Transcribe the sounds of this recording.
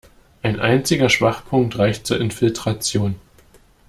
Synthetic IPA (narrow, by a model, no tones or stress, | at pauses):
ʔaɪnʔa̰ɪnt͡sɪɡɐʃv̥aχpʰʊŋk̚tʁaɪçtt͡suːɐɪnfɪltʁ̥at͡sjoːn